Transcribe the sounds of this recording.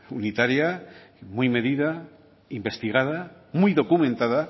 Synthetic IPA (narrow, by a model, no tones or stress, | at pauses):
unit̪aɾjamujme̞ðiða | imbe̞st̪iɣ̞aða | mujðo̞kumẽnt̪aða